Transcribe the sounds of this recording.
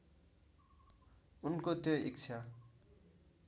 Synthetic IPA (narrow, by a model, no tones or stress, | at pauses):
unkot̪joik̚t͡sʰa